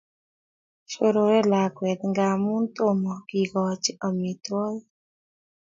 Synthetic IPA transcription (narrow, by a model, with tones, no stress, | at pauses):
ʃo˦ɾo˨ɾɛ˦la˨kwɛ˨t̪ŋɡa˨mʊ˦nt̪o˦mɔ˨ɡi˨ɡɔ˨t͡ʃɪ˦ɔ˨mi˨t̪wɔ˦l